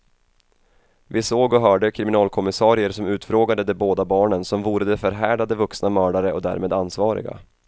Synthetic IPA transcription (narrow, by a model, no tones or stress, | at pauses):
vɪsoːɡɔɦœːɖəkʰɾɪmɪnɑːlkʰɔmɪsɑːɾɪəɾsɔmʉ̟ːt̪fɾoːɡad̪əd̪ɛboːd̪abɑːɳənsɔmvuːɾəd̪ɛfœɾɦæːɖad̪əvɵksnamœːɖaɾəɔd̪æ̰ːɾmeːd̪ansvɑːɾɪ̰ɡa̰